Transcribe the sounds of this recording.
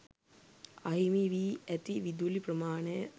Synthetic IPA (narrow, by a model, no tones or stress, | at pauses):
aɦimiʋiːæt̪iʋid̪uliprəmaːnəjə